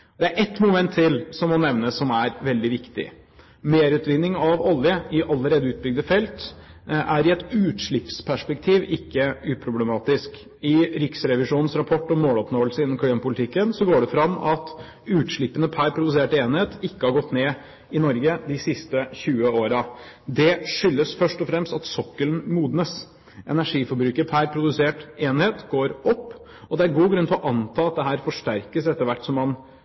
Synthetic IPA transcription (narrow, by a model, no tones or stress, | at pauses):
d̪ɛæɾʔɛt̪mʊmɛnt̪ʰːɪlsɔmːɔnɛʋnəsɔmæɾʋɛld̪ɪʋɪkt̪ɪ̰ | meːɾʉːt̪ʋɪnːɪŋɑʋɔljəɪʔɑlːəɾeːd̪əʉːt̪̚bʏɡ̚d̪əfɛlt̪ʔæɾɪɛt̪ʉːt̪ʂɭɪpspʰæʂpɛk̚t̪ʰiːʋɪkːəʉːpʰɾʊblɛmɑːt̪ɪsk | ɪɾɪksɾɛʋɪʂuːnn̩sɾɑpʰɔʈːɔmoːlɔpnoːəlsəɪnːɔmkʰimpʊlɪt̪ʰɪkːənsɔɡoːɖɛfɾɑmːɑt̪ | ʉːt̪ʂɭɪpːənəpʰæːɾpʰɾʊd̪ʉseːʈeːnheːt̪ɪkːəhɑɾɡɔt̪ːneː | ɪnɔɾɡəd̪ɪsɪst̪əçʉːəoːɾɑd̪ɛʂʏlːəsfœʂʈɔfɾɛmst̪ɑt̪sɔkːəlnmuːd̪nəs | ʔɛ̰næʂiːfɔɾbɾʉːkəɾpʰæɾpʰɾʊd̪ʉseːʈeːnheːt̪ɡoːɾɔpː | ɔd̪ɛæɾɡuːɡɾʉnt̪ɪlɔʔɑnt̪ʰɑːɑt̪̚d̪ɛɦæːɾfɔʂʈæɾkəsɛt̪ːəɾʋæʈːsɔmːɑn